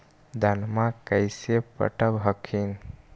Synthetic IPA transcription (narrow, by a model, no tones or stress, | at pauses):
d̪ʱənmãkəjsepə̰ʈəbɦəkʰin